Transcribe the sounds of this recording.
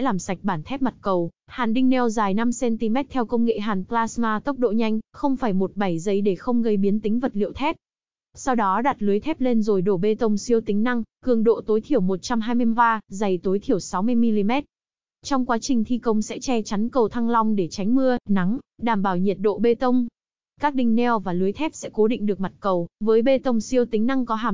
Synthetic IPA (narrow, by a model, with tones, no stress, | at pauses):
laː˨˩msa˨˩jk̟̚ɓaː˧˩nt̪ʰɛ˦˥p̚ma˨˩t̚kə˨˩w | haː˨˩nɗï˧ŋ̟nɛ˧wzaː˨˩jna˧msɛ˧nt̪i˧mɛ˦˥t̚t̪ʰɛ˧wkə˧wŋ͡mŋḛ˧˨ɦaː˨˩nplaː˧smaː˧t̪ə˦˥wk͡p̚ɗo̰˧˨ɲa˧jŋ̟xə˧wŋ͡mfaː˧˩jmo˨˩t̚ɓa˧˩jzə˨˦jɗe˧˩xə˧wŋ͡mɣə˧jɓi˨˦ənt̪ï˨˦ŋ̟və˨˩t̚lḭ˧˨əwt̪ʰɛ˦˥p̚ | sa˧wɗɔ˨˦ɗaː˨˩t̚lɨ˨˦jt̪ʰɛ˦˥p̚le˧nzo˨˩jɗo˧˩ɓe˧t̪ə˧wŋ͡msi˧əwt̪ï˨˦ŋ̟na˧ŋkɨ˨˩əŋɗo̰˧˨t̪o˨˦jt̪ʰi˧˩əwmo˨˩t̚t͡ɕa˧mɦaː˧jmɨ˧əvaː˧zə˨˩jt̪o˨˦jt̪ʰi˧˩əwsa˨˦wmɨ˧əjmi˧li˧mɛ˦˥t̚ | t͡ɕɔ˧wŋ͡mkwaː˨˦t͡ɕï˨˩ŋ̟t̪ʰi˧kə˧wŋ͡msɛ̰˧˥t͡ɕɛ˧t͡ɕa˨˦nkə˨˩wt̪ʰa˧ŋla˧wŋ͡mɗe˧˩t͡ɕa˨˦jŋ̟mɨ˧əna˨˦ŋɗaː˧˩mɓaː˧˩wɲi˨˩t̚ɗo̰˧˨ɓe˧t̪ə˧wŋ͡m | kaː˦˥k̚ɗï˧ŋ̟nɛ˧wvaː˨˩lu˨˦əjt̪ʰɛ˦˥p̚sɛ̰˧˥ko˨˦ɗḭ˧˨ŋ̟ɗɨ˨˩ək̚ma˨˩t̚kə˨˩wvəː˨˦jɓe˧t̪ə˧wŋ͡msi˧əwt̪ï˨˦ŋ̟na˧ŋkɔ˨˦ɦaː˧˩m